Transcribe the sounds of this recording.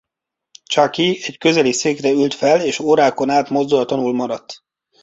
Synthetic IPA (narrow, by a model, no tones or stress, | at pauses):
t͡ʃɒkiɛckø̞zɛliseːkrɛylt̪fɛleːʃoːɾaːko̞naːt̪mo̞zd̪ulɒt̪onulmɒɾɒt̪ː